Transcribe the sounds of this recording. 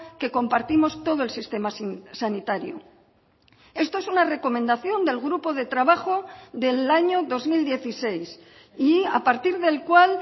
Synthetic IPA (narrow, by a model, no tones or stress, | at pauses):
ke̞ko̞mpaɾt̪imo̞st̪o̞ðo̞e̞lsist̪e̞masanit̪aɾjo̰ | e̞st̪o̞e̞sunare̞ko̞mẽnd̪aθjo̞nd̪e̞lɣɾupo̞ð̞e̞t̪ɾaβaxo̞ðe̞laɲo̞ðo̞zmild̪je̞θise̞js | ia̰paɾt̪iɾðe̞lkwal